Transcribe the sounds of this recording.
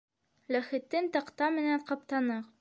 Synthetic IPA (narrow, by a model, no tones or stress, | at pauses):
læχɘ̆t̪ːɘnt̪ɑqt̪ɑmɘ̆nænqɑp̚t̪ɑnɤq